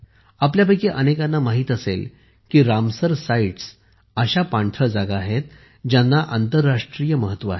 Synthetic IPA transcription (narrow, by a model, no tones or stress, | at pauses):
apljabʱajkeʔənekãnːamaɦiːt̪əsḛl | kiːɾamsəɾsaiʈs | əɕapaɳʈ̪ʰəd͡zaɡaːɦet̪ | d͡ʑjanːaʔant̪əɾːaʂʈɾiːjəməɦət̪ːʋəaɦe